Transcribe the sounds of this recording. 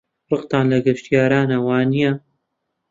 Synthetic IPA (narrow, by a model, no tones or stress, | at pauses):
rɨqt̪ɑːnlɐɡɨʃt̪ijaːɾaːnɐwɑːnija